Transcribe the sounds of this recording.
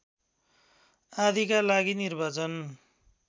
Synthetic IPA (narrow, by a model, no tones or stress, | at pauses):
ad̪ʱikalaɡinirbat͡sʌn